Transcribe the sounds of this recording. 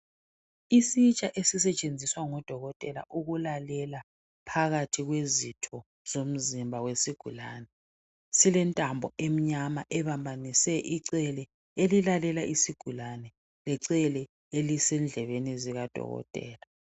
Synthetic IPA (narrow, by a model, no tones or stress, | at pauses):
isit͡ʃʼaʔesis̬ɛt͡ʃʼend͡zʱiswaŋɔd̥ʱɔɣɔtʼɛla̰ʔuɣulalɛla | pʰaɣatʰiɣwezitʰɔ | z̥om̩zimbʱawesiɡ̥ʱulaːnɛ | silɛntʼambʱɔʔem̩ɲamaʔɛβambʱanisɛʔiǀɛlɛ | elilalɛlaʔisiɡ̥ʱulanɛ | lɛǀɛlɛ | elisɛnd͡ɮʱɛβeniziɣad̥ʱɔ̰ɣɔ̰tʼɛ̰ːla